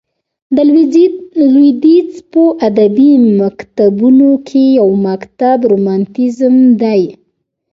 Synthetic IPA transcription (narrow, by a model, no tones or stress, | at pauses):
d̪ə | lwid̪it͡spəʔad̪abimakt̪abunokʰejawmakt̪abɾomɑnt̪izmd̪aj